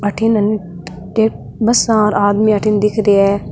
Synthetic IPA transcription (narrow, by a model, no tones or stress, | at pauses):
ɐʈʰinɐni | ʈeːʈ̚ | bɐsãːɾaːd̪mĩɐʈʰind̪ɪkʰɾeɛː